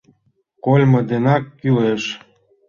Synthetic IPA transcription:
kolʲmɤ̆d̪enɑkːyleʃ

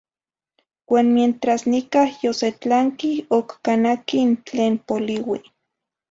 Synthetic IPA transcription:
waːnmjent̪ɾasnikahjoset͡ɬaŋkiokːanakint͡ɬeːnpoliwi

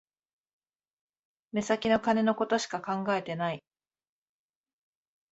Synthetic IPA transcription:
me̞sakʲino̞kane̞no̞ko̞t̪o̞ɕi̥kakãŋɡae̞t̪e̞nai

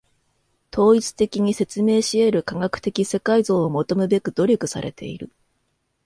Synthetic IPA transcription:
t̪o̞ːit͡sɨ̥t̪e̞kʲiɲ̟ise̞t͡sɨme̞ːɕie̞ɾɯ̟kaɡakɯ̟̥t̪e̞kʲise̞kaizo̞ːomo̞t̪o̞mɯ̟be̞kɯ̟d̪̥o̞ɾʲo̞kɯ̟sa̰ɾe̞̰t̪ʰe̞̰iɾɯ̟̰

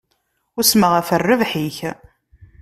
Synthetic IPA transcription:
ʊsməʁæfərːəvħiç

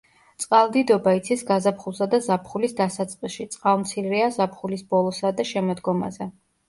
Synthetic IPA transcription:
t̪sʼqʼalˠd̪id̪ɔbait̪sʰisɡazapχulˠsad̪azapʰχulisd̪asat̪sʼqʼisʃit̪sʼqʼalˠmt̪sʰiɾiazapʰχulisbɔlˠɔsad̪aʃɛmɔd̪ɡɔma̰zɛ

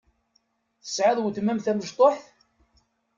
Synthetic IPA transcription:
θə̥sʕaðˤwəθmæmθæməʒt̪ˤoħθ

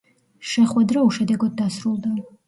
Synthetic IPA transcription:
ʃɛχwɛd̪ɾauʃɛd̪ɛɡɔd̪̚ːasɾulˠd̪a

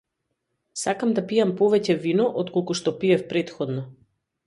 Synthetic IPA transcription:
sakamd̪apijampɔvɛcɛvinɔʔɔt̪kolˠkuʃt̪ɔpiɛfpɾɛt̪xɔd̪nɔ

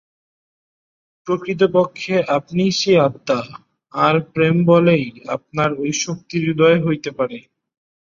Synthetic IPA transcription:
pɾokɾit̪̬opokʰːeʔapniʃeat̪ːaː | ɾpɾembɔleja̰p̚naɾojʃok̚t̪iɾid̪ɔeɦojt̪epaɾe

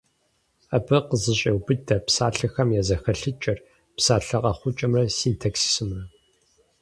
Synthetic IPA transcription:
ɐbɐqəzɨɕʼɐwbɨdɐpsaːɬɐxɐmjazɐxɐɬɨt͡ʃʼɐr | psaːɬɐqʼɐχʷʊt͡ʃʼɐmrɐsiːntʰɐksi̥sɨmrɐ

